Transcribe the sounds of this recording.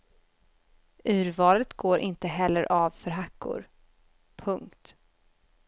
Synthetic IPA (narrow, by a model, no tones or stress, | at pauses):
ʔʉ̟ːɾvɑːlət̪ɡoːɾʔɪnt̪əɦɛlːəɾʔɑvfœɾɦakːʊ̰ɾ | pʰɵŋkt̪